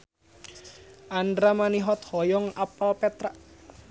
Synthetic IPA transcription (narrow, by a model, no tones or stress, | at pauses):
ʔandɾamaniɦɔt̪̚hɔjɔŋapalpɛt̪ɾaʔ